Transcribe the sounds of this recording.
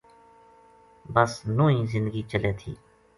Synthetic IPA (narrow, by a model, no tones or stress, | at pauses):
bəsnõːĩːzɪ̃nd̪ɡit͡ʃəleːt̪ʰiː